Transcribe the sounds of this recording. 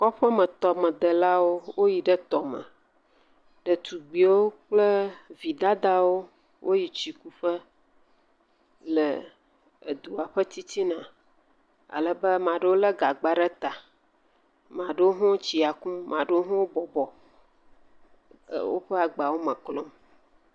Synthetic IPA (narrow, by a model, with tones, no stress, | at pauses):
kɔ˦ɸə˦mə̃˨t̪ɔ˨mə̃˨d̪ə˨la˦wo˦wo˦ji˨ɖə˦t̪ɔ˨mə̰̃˨ | ɖə˨t̪u˨ɡ͡bi˨wo˦k͡plə˦vi˨d̪a˦d̪a˦wo˦ | wʔo˦ji˨t͡ɕi˨ku˦ɸə˦ | lə˨ | ə˨d̪u˨a˨ɸə˦t̪i˦t̪i˦nã˨ | a̰˨lə˨bə˦mã˨ɖə˦wo˦lə˦ɡa˨ɡ͡ba˦ɖə˦t̪a˨ | mã˨ɖə˦wo˦ɦɔ̃˦wo˦t͡ɕi˨a˨ku˦mã˨ɖə˦wo˦ɦɔ̃˦wo˦bɔ˨bɔ˨ | wo̰˦ɸə˦a˨ɡ͡ba˨wo˦mə̃˨klɔ˦m